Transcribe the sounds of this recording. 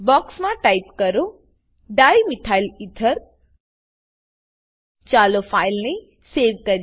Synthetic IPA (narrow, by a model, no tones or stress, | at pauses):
bɔːksmãʈaipkɐɾo | ɖaːjmit̪ʰaːɪlit̪ʰəɾ | t͡ʃaːlofʰaɪlne | seːʋkɐɾ